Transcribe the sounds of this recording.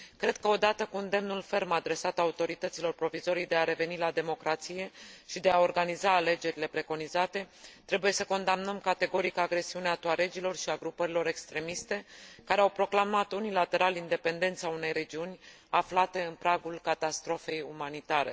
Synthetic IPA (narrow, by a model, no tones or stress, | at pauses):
kɾe̞d̪̚kəo̞d̪at̪əkuɨnd̪e̞mnulfe̞rmad̪ɾe̞sat̪aut̪o̞ɾit̪ət̪silo̞rpɾo̞vizo̞ɾijd̪e̞aɾe̞ve̞nilad̪e̞mo̞kɾat̪sije̞ʃid̪e̞ao̞rɡanizaːle̞d͡ʒe̞ɾile̞pɾe̞ko̞nizat̪e̞t̪ɾe̞buje̞səko̞nd̪amnəmkat̪e̞ɡo̞ɾikəaɡɾe̞siuneat̪oaɾe̞d͡ʒilo̞rʃiaɡɾupəɾilo̞ɾe̞kst̪ɾe̞mist̪e̞kaɾeawpɾo̞klamat̪unilat̪e̞ɾalind̪e̞pe̞nd̪e̞nt̪saune̞jɾe̞d͡ʒiunʲ | aflat̪e̞ɨnpɾaɡulkat̪ast̪ɾo̞fe̞jumanit̪aɾe̞̰